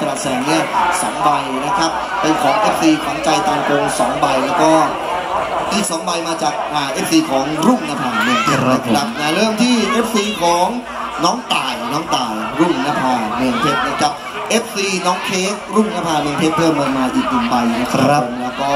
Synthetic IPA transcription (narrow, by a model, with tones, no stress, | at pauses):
ɾaː˨˩t̪sɛː˨˩ŋni˥˩ɐsɔ̰˩˦mba˧jna˦˥kʰa˦˥p̚ːe˧nkʰɔː˩˦ŋʔeː˦˥p̚fiː˧kʰɔː˩˦ŋt͡ɕa˧jt̪aː˧mko˧ŋsɔː˩˦ŋba˧jlɛː˦˥wkɔː˥˩ | t̪i˨˥˩sɔː˩˦ŋba˧jmaː˧t͡ɕaː˨˩k̚ʔaː˨˩ʔe˦˥p̚fiː˧kʰɔː˩˦ŋɾuː˥˩ŋnaː˧˥pʰaː˧˩mɯː˧ŋt̪ʰe˦˧˩a˧a˦˥p̚na˦˧˩ɾɤː˥˩mt̪ʰiː˥˩ʔeː˦˥p̚siː˧kʰɔː˨˩˦ŋ | nɔː˦˥ŋt̪aː˨˩jnɔː˦˥ŋt̪aː˨˩jɾuː˥˩ŋnaː˦˥pʰaː˧meɯː˧ŋt̪ʰe˦˥t̚na˦˥˩kʰa˦˩p̚ | ʔe˦˥p̚fiː˧nɔː˦˥ŋk̪ʰeː˦˥k̚ɾuː˥˩ŋnaː˦˧˥pʰaː˧neː˧ŋt̪ʰeː˦˥˩pʰːɤː˥˩mːɤː˧nmaː˧ʔiː˨˩k̚nɯ˨˩ŋba˧jna˦˥kʰa˥˦lɛː˦˥wkɔː˥˩